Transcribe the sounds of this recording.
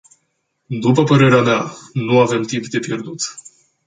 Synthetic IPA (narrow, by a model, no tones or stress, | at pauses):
d̪upəpəɾe̞ɾeamanuave̞mt̪impd̪e̞pje̞rd̪ut̪